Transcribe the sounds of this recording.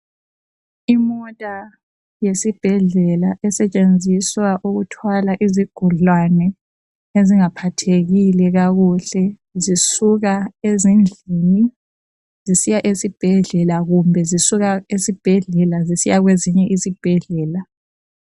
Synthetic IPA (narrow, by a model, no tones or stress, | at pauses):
imɔtʼa | jesib̥ʱɛɮɛlaʔɛsɛt͡ʃʼend͡zʱiswaʔuɣutʰwalaʔiziɡ̥ʱuɮwanɛ | eziŋapʰatʰeɣilɛɣaɣuɬɛ | zisuɣaezind͡ɮʱini | zisijaʔesib̥ʱɛɮɛlaɣumbʱɛzisuɣaesib̥ʱɛɮɛlazisijaɣweziɲɛʔisib̥ʱɛɮɛːla